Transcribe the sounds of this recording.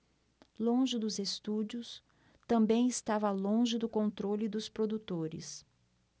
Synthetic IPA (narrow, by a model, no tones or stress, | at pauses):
lõʒɪd̪ʊzest̪ud͡ʒʊs | t̪ɐ̃mbẽj̃ɪst̪avɐlõʒɪd̪ʊkõnt̪ɾolɪd̪ʊspɾod̪ut̪oɾɪ̰s